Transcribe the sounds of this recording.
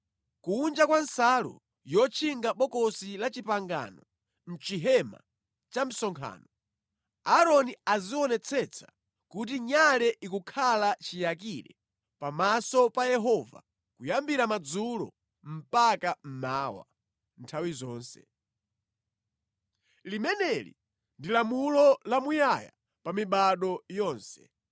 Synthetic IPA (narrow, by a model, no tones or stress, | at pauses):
kuːnd͡ʒakwansalṵ | jɔt͡ʃʰiŋɡaɓɔkɔsilat͡ʃipaŋɡa̰nɔ | m̩t͡ʃiɦɛma̰ | t͡ʃam̩sɔŋkʰa̰ːnɔ | aɾɔniaziɔnɛt͡sʰɛt͡sʰḁ | kut̬iɲalɛʔikukʰalat͡ʃijak̬iɾɛ̰ | pamasɔpajɛɦɔva̰ | kujambiɾamad͡zulɔ̰ | m̩pakam̩maːwa̰ | ntʰawizɔːnsɛ̰ | limɛnɛlḭ | ndilamulɔlamujaja̰ | pamiɓaɗɔjɔːnsɛ̥